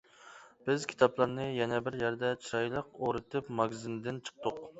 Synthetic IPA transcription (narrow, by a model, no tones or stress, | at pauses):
b̥ɪzkʲʰi̥t̪ʰɑplˠɑɾnɨjɛnɛbɪɾjæɾd̪ɛt͡ʃʰiɾɑjlˠəqoɾɨt̪ʰɨpmɑɡʲzɪnd̪ɪnt͡ʃʰə̥q̚t̪ʊq